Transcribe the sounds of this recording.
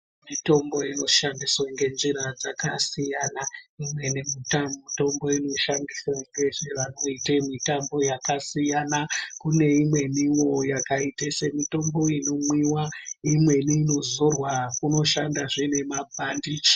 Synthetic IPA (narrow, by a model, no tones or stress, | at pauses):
mito̞mbo̞ino̞ʃandiswaŋɡe̞nʐiɾad͡zakasijanaimwe̞nemitamito̞mbo̞ino̞ʃandiswaŋɡe̞ʐiʋano̞itemitambo̞jakasijanakune̞imwe̞niwo̞jakaitesemito̞mbo̞ino̞mwiwaimwe̞niːno̞zo̞rwakuno̞ʃandaʐine̞mabʱandi